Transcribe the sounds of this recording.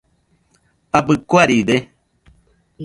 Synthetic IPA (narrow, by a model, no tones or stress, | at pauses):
abɨkuaɾide